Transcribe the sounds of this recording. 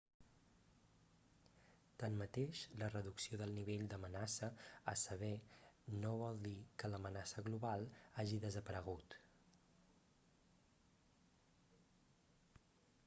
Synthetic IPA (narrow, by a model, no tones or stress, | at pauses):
t̪anmət̪eʃlərəðuksioðəlˠniβ̞eʎd̪əmənasəə̰səβ̞ɛnoβ̞ɔlˠd̪ikələmənasəɣluβalˠaʒiðəzəpəɾəɣ̞ut̪